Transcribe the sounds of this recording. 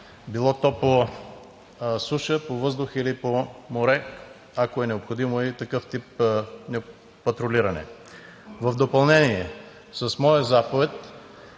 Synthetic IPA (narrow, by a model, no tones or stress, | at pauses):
bilˠɔt̪ɔpo | suʃəpovɤzd̪ʊxilipomoɾɛ | akoɛnɛopxod̪imoit̪ɐkɤft̪ipnɛː | ɐt̪ɾoliɾɐnɛ̰ | vɐvd̪opɐlˠnɛniɛ | sɐsmɔjəzapovɛt̪̚